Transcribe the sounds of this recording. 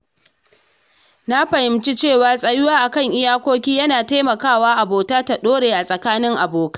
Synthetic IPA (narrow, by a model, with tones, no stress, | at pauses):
na˦ɸɐ˨hɪ˨mt͡ʃi˦t͡ʃeː˦˨waː˨sʼɐ˦jʊ˦waː˦ʔa˨kɐ˦˨ŋʔɪ˦jaː˦kʷoː˦kʲiː˦jɐ˦naː˨ta˦mɐ˨kaː˦˨waː˦ʔa˨boː˨taː˦ta˨ɗoː˦ɽeː˨ʔa˨sʼɐ˨kaː˦nɪ˦ŋʔa˨boː˨kḁ˦